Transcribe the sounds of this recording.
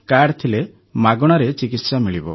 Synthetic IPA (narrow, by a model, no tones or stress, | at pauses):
kaɽt̪ʰile | maɡɔɽ̃ɔɾet͡ʃikit̪samiɭibɔ̰